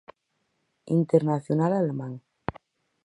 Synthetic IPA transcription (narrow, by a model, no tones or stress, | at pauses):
ḭnt̪eɾnaθjonalalemãŋ